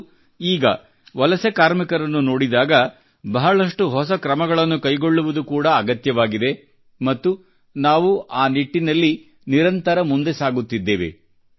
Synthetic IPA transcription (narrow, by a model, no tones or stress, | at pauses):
iːɡɐ̰ | ʋɐlɐsekaːɾmikɐɾɐnːuno̞ːɽid̪aːɡɐ | bɐɦɐɭɐʂʈuɦɔsɐkɾɐmɐɡɐɭɐnːukɐjɡo̞ɭːuʋud̪ukuːɽɐːɡɐt̪jɐʋaːɡid̪e̞ | mɐt̪ːu | naːʋuʔaːniʈːinɐlːi | niɾɐnt̪ɐɾɐmund̪e̞saːɡut̪ːid̪ːeːʋḛ